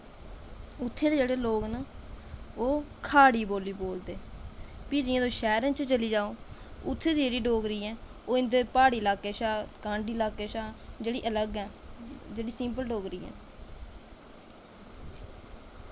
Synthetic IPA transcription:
ʊt̪ʰːẽːd̪eːd͡ʒeːɽeːloːkna | oːkʰaːɽiːboːliːboːld̪eːpiːd͡ʒɪjãːd̪oːʃɛːɾə̃ːnt͡ʃt͡ʃəliːd͡ʒaːoːʊt̪ʰːẽːd̪iːd͡ʒeːɽiːɖoːɡɾiːɛ̃ː | oːɪ̃nd̪eːpaːɽiːlaːkeːʃaːkãːɳɖiːlaːkeːʃaːd͡ʒeːɽiːʔələɡɛ̃ːd͡ʒeːɽiːsɪ̃mp̬əlɖoːɡɾḭːɛ̰̃ː

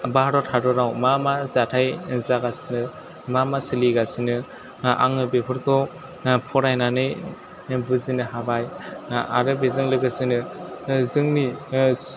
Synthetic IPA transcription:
bahɾɔtʰaɾɔɾawmamazatʰajzaɡasinɯ | mamasɯliɡasinɯ | a̰ŋnɯbepʰɯɾkʰɯw | pʰɔɾajnanɯj | buzinɯɦabaja̰ɾɯbezɯŋlɯɡɯsɯnɯzɯŋni

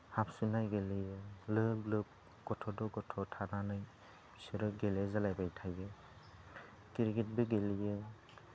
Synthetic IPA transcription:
hapsunajɡelijɯlɯblɯp̚ | kɔtʰɔdɔɡɔtʰɔtʰananɯj | sɯɾɯɡelezalajbajtʰajbɯ | kiɾɡet̚beɡelijɯ

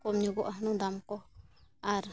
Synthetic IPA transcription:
kɔmɲuɡɔʔaɦnũd̪amkɔaɾ

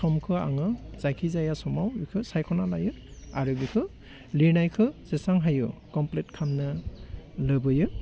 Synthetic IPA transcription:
sɔmkʰɯa̰ŋɯz̥ajkʰizajasɔmawikʰɯsajkʰɔnalajɯaɾɯbikʰɯ | linajkʰɯz̥esaŋɦajɯkɔmplet̚kʰamnɯ | lɯbɯjɯ

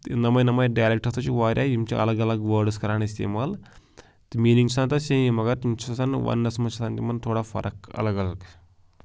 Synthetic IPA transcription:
nɐmɐjnɐmɐjɖɐjlek̚ʈɐt̪ɐt͡ʃiʋaːɾʲʔaːimt͡ʃiɐ̰lɐɡɐlɐɡʋɐːɾɖɨskɐɾaːnist̪ḭmal | t̪miːliŋt͡ʃsaːnt̪ɐseimɐɡɐɾint͡ʃɐsɐnʋɐ̰nːɐsmɐt͡ʃɐsɐnt̪imɐnt̪ʰoːɽafɐ̰ɾʔɐkɐ̰lɐɡɐlɐɡ

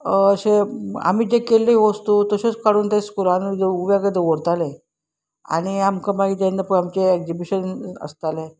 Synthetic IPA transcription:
əɕea̰m̤iːd͡ʑekelːeiʋəst̪ut̪əɕet͡skaɽuːnt̪eskuɾanid͡zeuʋaɡəd̪eʋoɾt̪ale | a̰ɽ̃iamkamaɡid̪end̪apəamt͡ɕeeɡd͡ʑibiɕənə̰st̪ale

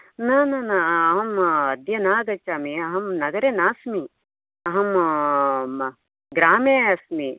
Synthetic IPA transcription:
nanɐnɐɐɦɐmɐd̪jɐnaːɡɐt͡ʃːaːmiɐɦɐmnɐɡɐɾeːnaːsmi | ɐɦɐm | ɡɾaːmeːɐsmi

